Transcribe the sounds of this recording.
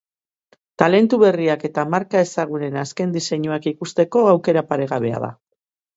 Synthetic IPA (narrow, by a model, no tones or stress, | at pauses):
t̪ale̞nt̪uβe̞riake̞t̪amaɾkae̞saɣ̞une̞naske̞nd̪ise̞ɲuakikust̪e̞ko̞awke̞ɾapaɾe̞ɣaβe̞a̰ða̰